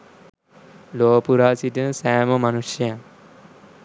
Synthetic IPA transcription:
loːpuɾaːsitəsæːməmanusjəjaŋ

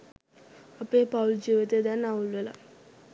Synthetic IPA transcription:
apeːpauld͡ʒiʋet̪eːd̪ɛnːaulʋela̰

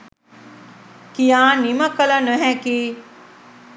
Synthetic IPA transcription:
kijaːniməkəlɐnəɦɛkiː

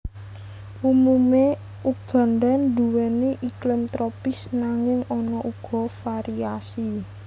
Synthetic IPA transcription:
ʔumume | uɡ̥a̤nd̪and̪uwɛniʔiklɪmt̪ɾɔpɪsnaŋɪŋɔnɔʔuɡ̥ɔ̤faɾiasi

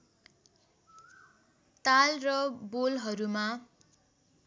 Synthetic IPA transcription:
t̪alrʌbolɦʌɾuma

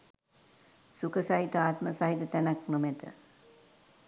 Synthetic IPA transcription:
sukəsaɦit̪əaːt̪məsaɦit̪ət̪ænaknomɛt̪ə̰

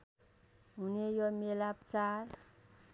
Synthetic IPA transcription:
ɦunejomelapt͡saɾ

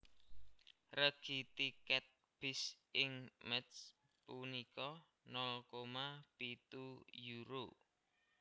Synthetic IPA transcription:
rəɡ̥it̪ikɛt̪̚ | b̥ɪs | ɪŋməts | punikɔ | nɔlkomapit̪ujuɾo

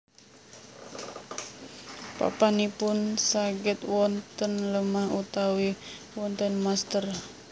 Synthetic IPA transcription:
pa̰panipʊnsaɡɛt̪wɔnt̪ənləmahut̪awi | wɔnt̪ənmast̪ər

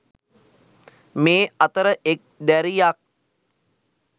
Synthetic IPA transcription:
meːat̪əɾəʔek̚d̪æɾijak̚

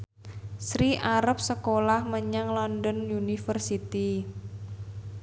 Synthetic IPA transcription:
sɾiʔaɾap̚səkolahməɲaŋlɔndɔnjunifərsit̪i

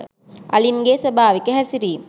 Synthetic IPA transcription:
ɐlinɡeːsɐbʱaːʋikːəɦɐsiɾiːm

